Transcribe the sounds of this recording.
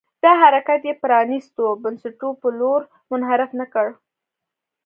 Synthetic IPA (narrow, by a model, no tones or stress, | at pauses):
d̪̥ɑɦaɾakat̪jepɾɑnist̪obansaʈupəloɾ | mʊnɦaɾɪfnakəɽ